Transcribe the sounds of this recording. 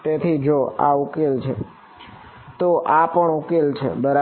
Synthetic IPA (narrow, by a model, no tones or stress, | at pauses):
t̪et̪ʰid͡ʒoa̰ukelt͡ʃʰe | t̪oʔapəɳukelt͡ʃʰḛbəɾa